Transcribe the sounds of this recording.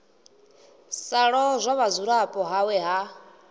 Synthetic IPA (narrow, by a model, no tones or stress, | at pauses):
saɺɔzʷaβazuɺapʼɔɦawɛɦa